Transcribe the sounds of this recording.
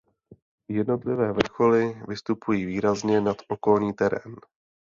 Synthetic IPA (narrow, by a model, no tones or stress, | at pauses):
jɛdno̞t̪lɪvɛːvr̩xo̞lɪvɪst̪upujiːviːɾazɲɛnat̪ʔo̞ko̞lɲiːt̪ɛɾɛ̰ːn